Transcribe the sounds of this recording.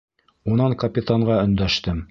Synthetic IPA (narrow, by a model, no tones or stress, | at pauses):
unɑŋkɐpʲɪt̪aɴɢɑɵ̆nd̪æʃt̪ɘm